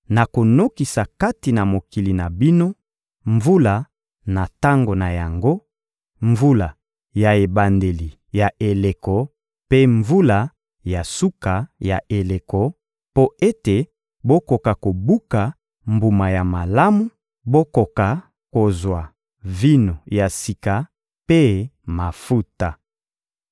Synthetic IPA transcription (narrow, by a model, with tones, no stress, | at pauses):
na˨ko˨no˦ki˨sa˨ka˦ti˨na˨mo˨ki˨li˨na˨bi˦no˦ | ɱvu˦la˨ | na˨ta˦ŋɡo˨na˨ja˨ŋɡo˦ | ɱvu˦la˨ | ja˨e˨ba˨nde˨li˨ | ja˨ʔe˨le˨kɔ˨ | pe˦ɱvu˦la˨ | ja˨su˦ka˨ja˨ʔe˨le˨kɔ˨ | po˦e˦te˨ | bo˦ko˨ka˨ko˨bu˦ka˨ | mbu˨ma˨ja˨ma˨la˦mu˦ | bo˦ko˨ka˨ | ko˨zwa˨ | vi˦no˨ja˨si˨ka˨ | pe˦ma˨fu˦ta˨